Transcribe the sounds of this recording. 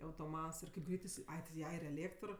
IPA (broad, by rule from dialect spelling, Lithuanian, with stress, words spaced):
ɐʊtoːˈmɐts ɪr kɐɪp ˈɡrʲɛɪt ɪˈsʲɪ ˈɐɪ tʲɪ ˈjɛ ɪr ɛˈlʲeːktr